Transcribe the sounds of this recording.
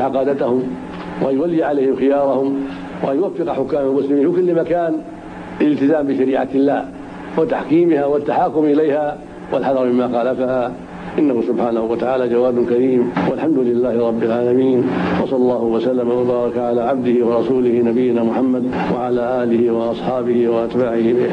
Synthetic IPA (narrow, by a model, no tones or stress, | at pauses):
ʕaqɑːd̪at̪ahʊm | wʔanjʊwalːɪʕalejhɪmxɪjɑːɾˤɑhʊm | wa̰ʔanjʊwafːɪqɑħʊkːaːmalmʊslɪmiːnɪkʊlːɪmakaːn | alɪlt̪ɪzaːmbɪʃaɾiːʕa̰ɪlːaːh | wɪt̪aħkiːmɪhawat̪ːaħaːkːʊmʔɪlajha | walħɑd̪ɑɾˤmɪmːaːxɑːlafahaː | ʔɪnːahʊsʊbħaːnahʊwat̪aʕaːlaːd͡ʒawaːd̪ʊkaɾiːmwalħamd̪ʊlɪlːaːhɪɾˤɑbːɪlʕaːlamiːnwɑsˤɑlːɑlˤːɑːhʊwasalːamawabɑːɾˤɑkʕalaːʕab̚d̪ɪhiwɑɾˤɑsuːlɪhinabɪjːɪnaːmʊħamːad̪ | wa̰ʕalaːʔaːlɪhiwɑʔɑsˤħɑːbɪhiwaʔat̪baːʕɪhiɪ